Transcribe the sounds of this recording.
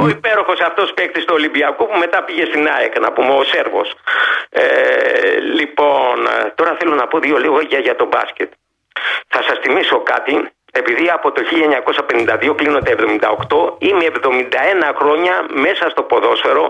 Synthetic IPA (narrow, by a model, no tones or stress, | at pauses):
o̞ipe̞ɾo̞xo̞sɐft̪o̞spek̚t̪ist̪oːlimbiɐkopume̞t̪ɐpiʝe̞st̪inɐekɐnɐpumeo̞se̞ɾvo̞̰s | e | lipo̞nt̪o̞ɾɐθelo̞nɐpo̞ðio̞liɣoiʝɐʝɐt̪o̞bɐ̰scet̪ | θɐsɐsθimiso̞kɐ̰t̪i | e̞piðiɐpo̞t̪oçiʎɐeɲɐko̞sɐpe̞nind̪ɐðio̞klino̞nd̪evðo̞mind̪ɐ̰o̞kt̪o̞imeːvðo̞mind̪ɐe̞nɐxɾo̞ɲɐme̞sɐst̪o̞po̞ðo̞sfe̞ɾo̞